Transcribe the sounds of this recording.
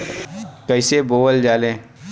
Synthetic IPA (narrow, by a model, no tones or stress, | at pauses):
kəɪseboːʋəld͡ʒaːlẽː